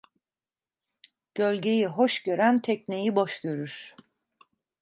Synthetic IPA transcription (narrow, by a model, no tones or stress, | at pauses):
ɟ̥ø̞lʲɟe̞jiɦoʃɟø̞ɾænt̪ʰɛcne̞jiboʃɟø̞ɾyɾ̥